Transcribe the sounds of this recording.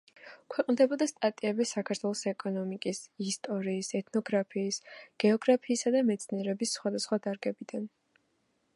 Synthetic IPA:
kʰwɛqʼnd̪ɛbɔd̪ast̪ʼat̪ʼiɛbisakʰaɾt̪ʰwɛlˠɔsɛkʼɔnɔmikʼisist̪ʼɔɾiːsɛt̪ʰnɔɡɾapʰiːsɡ̥ɛɔɡɾapʰiːsad̪amɛt̪sʰniɛɾɛbisːχwad̪asχwad̪aɾɡɛbid̪an

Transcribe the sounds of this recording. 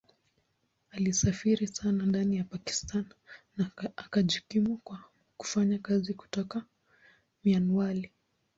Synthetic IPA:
alisafiɾisanandanijapaki̥stanː | aakaʄukimukwa | ku̥faɲakaziku̥tɔka | mianuwali

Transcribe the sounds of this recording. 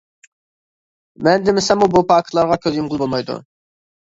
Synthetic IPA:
mɛnd̪ɪmɪsɛmːubupʰɑːkʰlˠɑɾʁɑkʲʰøzjumʁʊlˠbolˠmɑjd̪ṵ

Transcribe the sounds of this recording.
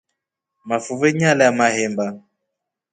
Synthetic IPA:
mafuvɛɲalɛamahɛmba

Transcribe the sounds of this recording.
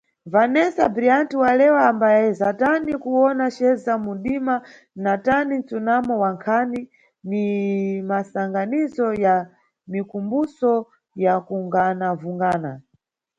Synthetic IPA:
vanɛsa̰bɾiantiwalɛwaːmbajaɛzatanikuwɔnaʃɛzamunɗima | natanint͡sunamɔwaŋkʰani | nimasaŋɡanizɔja | mikumbusɔ | jakuŋɡanavuŋɡaːna

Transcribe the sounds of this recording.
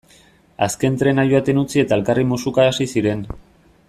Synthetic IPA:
aske̞nt̪ɾe̞najuat̪e̞nut͡sie̞t̪ae̞lkarimusukaːsisiɾe̞n

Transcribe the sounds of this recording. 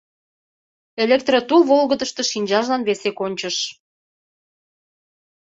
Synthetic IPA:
elek̚t̪rot̪ulβolɣəd̪əʃt̪əʃinʲd͡ʑɑʒlɑnβesekonʲt͡ɕəʃ

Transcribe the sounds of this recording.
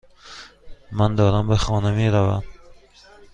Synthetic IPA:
mand̪ɔːɾambaxɔːnameːɾavam

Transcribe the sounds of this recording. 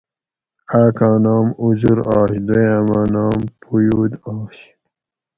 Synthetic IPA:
aːkãːnɑːmuzuɾɑːɕd̪ejamaːnɑːmpʰujuːd̪ɑːɕ

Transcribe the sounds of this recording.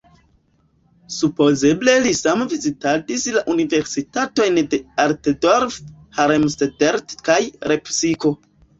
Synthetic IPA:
supo̞ze̞ble̞lisamvizitadislaʔunive̞ɾsitato̞jnde̞aɾtdoɾf | haɾemstedeɾtkajɾepsiko

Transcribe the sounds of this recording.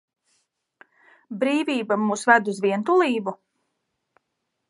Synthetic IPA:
bɾiːviːbamuːsvæd̪uzviɛnt̪ulˠiːbu

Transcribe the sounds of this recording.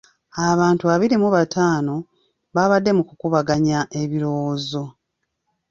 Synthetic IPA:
aβaːntuaβiɾimuβatʰaːno̞ | βaːβadːe̞mukukuβaɡaɲaʔe̞βiɾo̞woːzo̞

